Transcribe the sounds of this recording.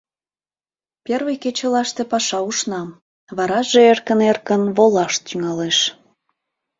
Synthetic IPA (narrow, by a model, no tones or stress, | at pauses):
perβəjket͡ɕəlɑʃt̪e̽pɑʃɑuʃnɑm | βɑɾɑʒeerkənerkənβolɑʃt̪yŋɑleʃ